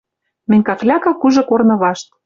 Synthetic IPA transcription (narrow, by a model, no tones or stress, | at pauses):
mɘ̆nʲkɑklʲɑkɑkuʒɤ̆kornɤ̆βɑʃt̪̚